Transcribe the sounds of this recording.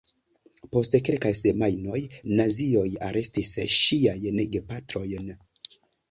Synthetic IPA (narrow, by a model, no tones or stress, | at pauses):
po̞stkelkajse̞majno̞jnazio̞jaɾʔe̞stisʃiajneɡepatɾo̞jn